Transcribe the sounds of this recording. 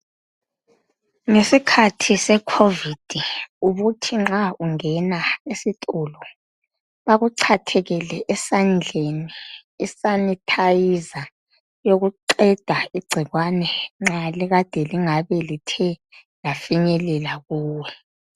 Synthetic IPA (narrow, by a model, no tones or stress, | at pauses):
ŋesikʰatʰisɛkʰovid̥ʱiuɣutʰiŋ͡ǁauŋɛnaesitʼulɔ | βaɣuǀʰatʰɛɣɛlɛʔɛsand͡ɮʱeniːsanitʰajiza | joɣuǀɛd̥ʱaiɡ͡ǀʱiɣwanɛŋ͡ǁaliɣad̥ʱɛliŋaβɛlitʰɛlafiɲɛlɛlaɣuːwɛ